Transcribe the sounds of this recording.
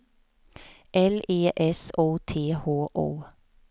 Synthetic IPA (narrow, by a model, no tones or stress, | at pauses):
ʔɛleːʔɛsoːt̪ʰeːhoːʔo̰ː